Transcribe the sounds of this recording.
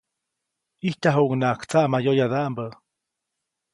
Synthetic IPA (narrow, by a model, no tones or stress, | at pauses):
iht̪aɦoʔuŋnakt͡saʔmajojaðaʔmbə